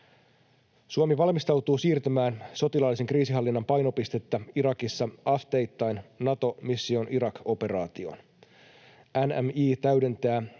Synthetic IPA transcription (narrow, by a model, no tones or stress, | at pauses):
suomiʋɑlmist̪ɑwt̪uːsiːrt̪æmæːnso̞t̪ilɑlːise̞ŋkriːsiɦɑlːinːɑmpɑjno̞pist̪e̞t̪ːæiɾɑkisːɑɑft̪e̞jt̪ːɑjnnɑt̪o̞misːio̞nʔiɾɑko̞pe̞ɾɑːt̪io̞̰n | ænæmiːt̪æyɥde̞nt̪æː